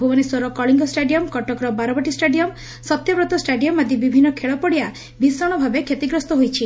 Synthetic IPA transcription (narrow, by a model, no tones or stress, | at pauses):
bʱubɔnisɔɾɔkɔɭiŋɡɔsʈaɖijɔmkɔʈɔkɾɔbaɾɔbɔʈisʈaɖijɔm | sɔt̪jɔpɾɔt̪ɔsʈaɖijɔmːad̪ʱibibʱinːɔkʰeɭɔpɔɽija | bʱisɔɽ̃ɔbʱabekʰjet̪iɡɾɔst̪ɔɦojt͡ʃʰi